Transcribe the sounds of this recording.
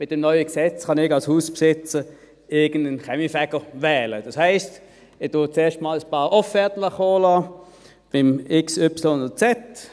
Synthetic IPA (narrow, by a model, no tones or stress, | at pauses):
mɪt̚dɛmnɔʏəksɛt͡sχɑnɪɡɑlshuːspsɪt͡sə | ɪɐɡ̥ən̩dənχɛmifɛɡ̥əvɛːləd̥ɑshæɪst | ɪd̥ʊt͡seːɐʃtmɑːləspɑːʁɔfɛɐtləχoːlɑː | b̥ɪmɪksʏpsl̩ʊndət͡sɛt